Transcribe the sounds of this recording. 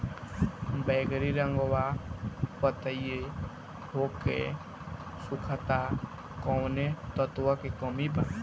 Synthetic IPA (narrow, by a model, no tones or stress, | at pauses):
bɛːɡɾiɾəŋɡɔwa | pət̪əie | ɦokḛ | sukʰət̪a | kɔwnet̪ət̪wakekɔmibən